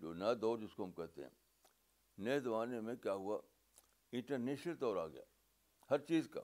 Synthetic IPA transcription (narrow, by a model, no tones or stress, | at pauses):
d͡ʒoːnɐd̪oːd͡ʒɪskoɦɐmkɛɦt̪ḛɦɛ̰̃ | neɦd̪ɐʋaːnemẽkjaːɦʊa | ɪ̃ɳʈəɾneːʃəlt̪ɔːɾaːɡɐ̰ja̰ː | hɐɾt͡ʃiːzka̰ː